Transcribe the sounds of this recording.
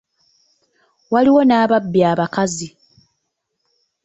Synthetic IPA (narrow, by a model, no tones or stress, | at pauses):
waliwo̞naːβabːjaːβakazi